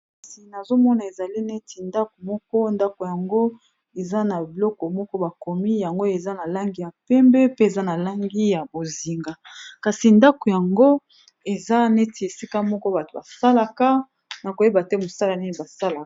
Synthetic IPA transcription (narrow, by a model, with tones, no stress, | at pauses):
kka˨si˨na˨zo˦mɔ˦na˨e˨za˨li˦ne˦ti˨nda˦ko˨mɔ˦kɔ˦nda˦ko˨ja˨ŋɡo˦ | e˨za˦na˨bi˨lɔ˦kɔ˨mɔ˦kɔ˦ba˨ko˨mi˦ja˨ŋɡo˦e˨za˦na˨la˦ŋɡi˦ja˨pɛ˦mbɛ˦pe˦e˨za˦na˨la˦ŋɡi˦ja˨bo˨zi˨ŋɡa˨ka˨si˨nda˦ko˨ja˨ŋɡo˦ | e˨za˦ne˦ti˨e˨si˦ka˦mɔ˦kɔ˦ba˨to˨ba˨sa˦la˨ka˦ | na˨ko˨je˦ba˨tɛ˦mo˨sa˦la˨ni˦ni˨ba˨sa˦la˨